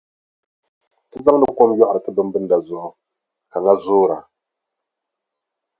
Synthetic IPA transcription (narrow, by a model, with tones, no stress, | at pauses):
tɨ˦za˦ŋ˦dɨ˨ko˦mjɔ˦ʔa˨ɾɨ˨tɨ˦bɨ˦mbɨ˦n˦da˨zʊ˦ʔʊ˦ | ka˨ŋa˦zʊː˦ɾa˨